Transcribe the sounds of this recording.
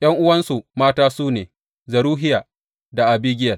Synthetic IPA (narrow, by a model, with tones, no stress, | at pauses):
ʔj̰ɐ˦ŋʔʊ˦wɐ˦nsu˨maː˦taː˦suː˦neː˨ | zɐ˨ɾuː˦ɦɪ˦jaː˨ | da˨ʔa˨biː˦ɡʲɪ˦jɐ˨l